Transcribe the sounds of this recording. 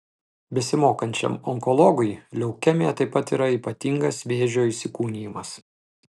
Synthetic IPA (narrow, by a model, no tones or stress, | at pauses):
bʲɛsʲɪmoːkɐnʲt͡ʃʲɛ̰mɔŋkɔlˠɔɡʊɪlʲɛʊkʲɛmʲeːt̪ɐɪpːɐt̪iːɾɐiːˑpɐt̪ʲiːŋɡɐsʋʲeːʒʲoːisʲɪkuːnʲiːjɪmɐs